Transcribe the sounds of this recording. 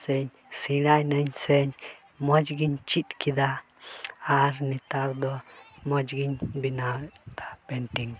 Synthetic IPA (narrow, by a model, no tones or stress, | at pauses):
seɲ | siɾajneɲseɲ | mot͡ʃɡiɲt͡ʃit̪kid̪aː | ɾnit̪aɾd̪omot͡ʃɡiɲbinat̪ḁpent̪iŋ